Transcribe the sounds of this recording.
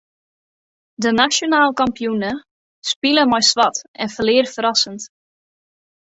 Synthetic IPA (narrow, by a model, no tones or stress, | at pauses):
dənasjonaːlˠkampijunə | spiləmɔjsʋɑtɛnfəlɪərfəɾɑsənt